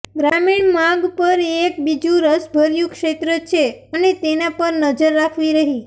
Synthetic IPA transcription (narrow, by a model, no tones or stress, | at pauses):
ɡɾamiɳmaɡpəɾek̚bid͡ʒũɾəsbʱəɾjũkʃet̪ɾət͡ʃʰeənet̪enapəɾnəd͡ʒəɾːakʰʋiɾəɦi